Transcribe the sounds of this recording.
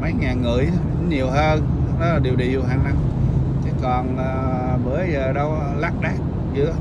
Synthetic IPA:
mə˨˦jŋaː˨˩nŋɨ̰˧˩əjɲi˨˩əwɦəː˧nnɔ˨˦laː˨˩ɗi˨˩əwɗḭ˧˨ə˨wɦaː˨˩na˨˧˩n | t͡ɕe˨˦kɔ˨˩naː˨˩ | məː˨˦jzəː˨˩ɗə˧wlaː˦˥k̚ɗaː˦˥k̚ | zɨ̰˨˦˥ə

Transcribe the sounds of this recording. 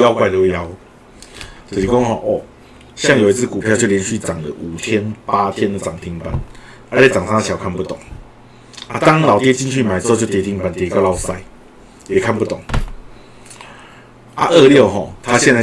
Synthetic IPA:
ja˧˦ʊkwa˥˧ɪlo˧ja˦ʊ | t͡sə˨˩i˨˩kɔ˥˦ŋhɔ˥˧ʔɔ˥˨˩ | ɕja˥˨ŋjo˨˩i˧˥t͡s̩ʰ˥˩ku˨˩pʰjt͡ɕjljɛ˧˦nɕy˥˩t͡sa˨˩ŋd̪ə̰˨˦ʔu˨˩t̪ʰjɛ˦npa˦t̪ʰjɛ˦nd̪ə˨t͡sa˨˩ŋt̪ʰi˧˥ŋpə̰˨˩n | ʔə˧˦t͡ɕʰɛ˨˩t͡sa˨˩ŋsa˥ŋdə˨˩ɕja˨˩kʰa˥˧npu˥˩t̪ɔ˨˩˦ŋ | a˦t̪a˦ŋla˨˩ʊt̪jɛ˥˧t͡ɕi˥˧nt͡ɕʰy˥˩ma˨ɪt͡sɤ˧˥˧t͡ɕo˥˧˩t̪jɛ˧˥t̪ʰi˧˦ŋpə˨nt̪jɛ˧˩ka˥˧la˥˧ʊsa˥˩ɪ | jɛ˨˩kʰa˥˧npu˥˩t̪ɔ˨˩˦ŋ | a̰˦˧ʔə˥˧ljo˥˨ʊɦɔ˥˨˩t̪ʰa˦˥ɕjɛ˥˧na˥˧˩

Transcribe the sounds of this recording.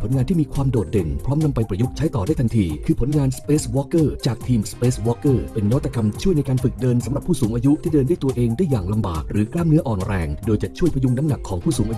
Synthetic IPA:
pʰnŋaː˧nt̪ʰiː˥˩miː˧kʰwaː˧mdoː˨˩t̪̚de˧˩npʰɾɔː˦˥mna˧mpa˧jpɾa˧ju˦˥k̚t͡ɕʰa˦˥jt̪ɔː˨˩daː˥˩t̪a˧nt̪ʰiː˧kʰɯː˧pʰo˩˦nŋaː˧nspeː˦˥swɔː˦˥kɤː˥˩t͡ɕaː˨˩k̚t̪ʰiː˧mspeː˦˥swɔː˧˥kːɤː˥˩pe˧nːɔ˦˥t̪ʰːa˧˩ka˧mt͡ɕʰu˥˩əjna˧jkaː˧nfɯ˨˩k̚dɤː˧nsa˩˦ɾa˨˩pʰːuː˥˩suː˩˦ŋʔaː˧ju˦˥ʔt̪ʰiː˥˩dɤː˧ndaː˥˩jt̪u˧ɐʔeː˧ŋdaː˥˩jaː˨˩ŋla˧mba̰ː˨˩k̚ɾɯː˩˦klaː˥˩mnɯ˦˥ʔɔː˨˩nɾɛː˧ŋdoː˧jt͡ɕa˨˩t͡ɕʰu˥˩əjpʰɾju˧˥˩ŋna˦˥mna˨˩kʰːɔː˩˦ŋpʰuː˥˩suː˩˦ŋʔaː˧j

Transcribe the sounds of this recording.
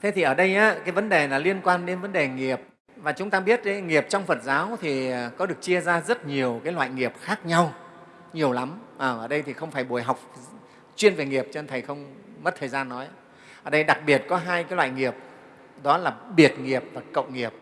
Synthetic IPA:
t̪ʰe˨˦t̪ʰi˨˩ʔəː˧˩ɗə˧jʔaː˨˦kaː˨˦jvə˨˦nɗe˨˩laː˨˩li˧ənkwaː˧nɗe˨˦nvə˨˦nɗe˨˩ŋi˨˩əp̚ | vaː˨˩t͡ɕʊ˨˦ŋ͡mt̪aː˧ɓi˦˥ət̚ə˨˦ŋi˨˩əp̚t͡ɕwŋ͡mfə˨˩t̚zaː˨˦wt̪ʰi˨˩kɔ˨˦ɗɨ˨˩ək̚t͡ɕi˧əzaː˧zə˦˥t̚ɲi˨˩əwkaː˨˦jlwa̰ː˧˨jŋi˨˩əp̚xaː˦˥k̚ɲa˧w | ɲi˨˩əwla˨˦mʔəː˨˩ʔəː˧˩ɗə˧jt̪ʰi˨˩xə˧wŋ͡mfaː˧˩jɓu˧˩əjɦa˨˩wk͡p̚ | t͡ɕwi˧ənve˨˩ŋi˨˩əp̚t͡ɕːnt̪ʰə˨˩jxə˧wŋ͡mmə˦˥t̚t̪ʰəː˨˩jzaː˧nːɔ˨˦j | ʔəː˧˩ɗə˧jɗa˨˩k̚ɓi˨˩ət̚kɔ˨˦ɦaː˧jkaː˨˦jlwa̰ː˧˨jŋi˨˩əp̚ | ɗɔ˨˦laː˨˩ɓi˨˩ət̚ŋi˨˩əp̚vaː˨˩kə̰˧˨wŋi˨˩əp̚

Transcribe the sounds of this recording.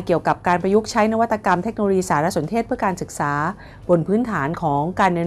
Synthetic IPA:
ki˨˩əwka˨˩p̚kaː˧npɾa˧ju˦˥k̚t͡ɕʰa˦˥jna˦˥wa˦˥t̪ːa˧ka˧mt̪ʰe˦˥k̚no˧lo˧jiː˧saː˩˦ɾa˦˥so˩˦nt̪ʰe˥˩t̪̚ʰɯ˥˩ɐəkaː˧nsɯ˨˩k̚saː˩˦ | bo˧npʰɯː˦˥nt̪ʰaː˩˦nkʰɔː˩˦ŋkaː˧nːɯ˧

